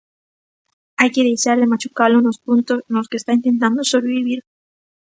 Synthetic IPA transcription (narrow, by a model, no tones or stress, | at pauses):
ajkeðejʃaɾlemat͡ʃukalonospunt̪oznoskest̪aint̪ent̪ãnd̪osoβɾeβiβiɾ